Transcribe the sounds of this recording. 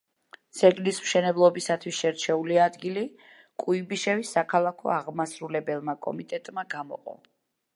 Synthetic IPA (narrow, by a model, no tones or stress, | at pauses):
z̥ɛɡlismʃɛnɛblˠɔbisat̪ʰwisʃɛɾt͡ʃʰɛuliad̪ɡili | kʼuibiʃɛvisːakʰalˠakʰɔ̰aʁmasɾulɛbɛlˠmakʼɔ̰mit̪ʼɛt̪ʼmaɡamɔ̰qʼɔ̰